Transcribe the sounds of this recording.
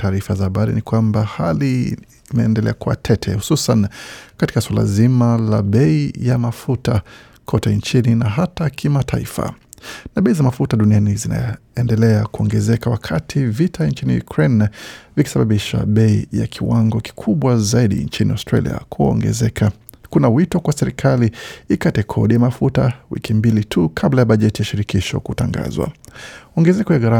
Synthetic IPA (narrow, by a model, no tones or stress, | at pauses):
taːɾifazahaɓaɾḭnikwambahali | imɛːndɛlɛ̰akua̰tʰɛtʰɛhu̥susankati̥kaswala̰zimalaɓɛijamafuta | kʰɔtɛnt͡ʃininaɦatakʰimatʰaifa̰naɓɛizamafutaɗunianizina̰ | ɛndɛlɛakuɔŋɡɛzɛkawakʰatʰivitʰant͡ʃinḭjṵkʰɾɛnviki̥saɓaɓiʃa̰ɓɛija̰kʰiwaŋɡɔki̥kʰuɓwazaiɗḭnt͡ʃiniaʊstɾa̰lḭa̰uɔ̰ɛɛ | kunawitɔkwasɛɾikʰaliikatɛkʰɔ̰ɗijamafutawḭkʰimbilitʰukʰablajaɓaʄɛtijaʃiɾikiʃɔ̰kuta̰ŋɡa̰zwa̰ɔŋɡɛzɛkɔjaɣaɾa